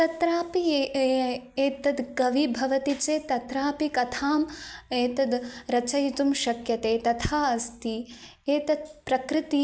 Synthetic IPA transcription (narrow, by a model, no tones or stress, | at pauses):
t̪ɐt̪ɾaːpie | eːt̪ɐd̪ɡɐʋibʱɐʋɐt̪it͡ʃeːt̪ɐt̪ɾaːpikɐt̪ʰaːmeːt̪ɐd̪ɾɐt͡ʃɐjt̪umʃɐkjɐt̪eːt̪ɐt̪ʰaːɐst̪i | eːt̪ɐd̪pɾɐkɾɪt̪i